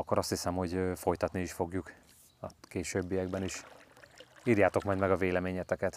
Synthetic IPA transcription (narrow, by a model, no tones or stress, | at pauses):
ɒkːoɾɒst̪hisɛmho̞ɟfo̞jt̪ɒt̪niiʃfo̞ɡjuk | ɒkeːʃøːbːijɛɡbɛniʃ | iːɾjaːt̪o̞kmɒjd̪mɛɡɒveːlɛmeːɲɛt̪ɛkɛt̪